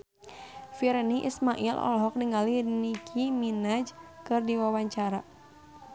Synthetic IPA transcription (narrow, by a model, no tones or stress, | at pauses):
fiɾɛniʔḭsmaʔilɔ̰lɦɔk̚niŋalinikʰiminad͡ʒkɨrdiwawaɲt͡ʃaɾa